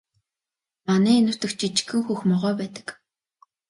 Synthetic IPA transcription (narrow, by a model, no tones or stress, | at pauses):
manæːinʊ̆r̥t̪ə̆kt͡ɕʰit͡ɕxɘ̆ŋxuxmɔʁœːpæːt̪ə̥̆k